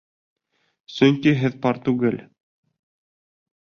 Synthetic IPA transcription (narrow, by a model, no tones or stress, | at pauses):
sɵŋkiɦɘðpɑɾt̪ʉɡɘl